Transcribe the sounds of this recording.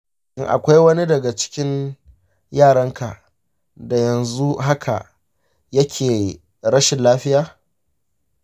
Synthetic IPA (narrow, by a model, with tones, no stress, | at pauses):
ʔɪ˨ŋʔa̰˨kʷa˦jwɐ˦ni˦dɐ˨ɡa˨t͡ʃɪ̥˦kʲɪ˦n | jaː˦˨ɽɐ˦ŋkʰa˨ | da˨jɐ˨nzu˦ɦa˦kʰa̰˨ʔ | jɐ˦kʲʰeː˨ | ɾɐ˦ʃɪ˨nlaː˦ɸɪ˦jaː˨˦